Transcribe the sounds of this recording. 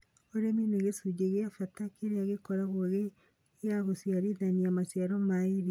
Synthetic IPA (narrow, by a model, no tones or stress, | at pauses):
oɾemineɣesud͡ʒeɣeafatakeɾeaɣekɔɾaɣwoɣe | aɣosiaɾiðaniamasjaɾɔmaiɾi